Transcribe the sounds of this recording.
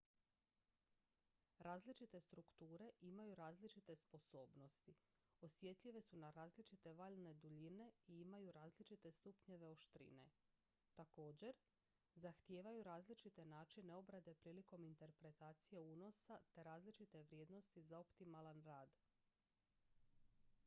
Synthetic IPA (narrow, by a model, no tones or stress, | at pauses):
ɾaːzlit͡ʃit̪e̞st̪ɾukt̪uːɾe̞ʔimajuɾaːzlit͡ʃit̪e̞spo̞so̞ːbno̞st̪i | o̞sje̞t̪ʎiʋe̞sunaɾaːzlit͡ʃit̪e̞ʋaːʎne̞d̪uʎine̞iimajuɾaːzlit͡ʃit̪e̞st̪upɲe̞ʋe̞o̞ʃt̪ɾḭne̞̰ | t̪ako̞ːd͡ʑe̞ɾ | zaxt̪jeːʋajuɾaːzlit͡ʃit̪e̞naːt͡ʃine̞o̞bɾad̪e̞pɾiːliko̞mint̪e̞ɾpɾe̞t̪aːt̪sijeuːno̞sat̪e̞ɾaːzlit͡ʃit̪e̞ʋɾje̞ːd̪no̞st̪izao̞pt̪imalanɾaːd̪